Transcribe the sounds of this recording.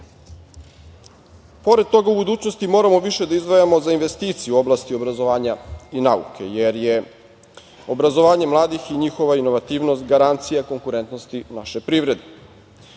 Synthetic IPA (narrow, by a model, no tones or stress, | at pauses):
po̞ɾe̞d̪̚t̪o̞ɡaubud̪uːt͡ɕnost̪imo̞ːɾamo̞ʋiʃe̞d̪aizd̪ʋajamo̞zainʋest̪iːt̪sijuo̞blaːst̪io̞bɾazo̞ʋaːɲainaṵkʰe̞jeɾje | o̞bɾazo̞ʋaːɲe̞mlˠaːd̪ixiɲixo̞ʋaino̞ʋat̪iːʋno̞st̪ɡaɾant̪sijako̞ŋkuɾe̞nt̪nost̪inaʃepɾiːvɾe̞d̪e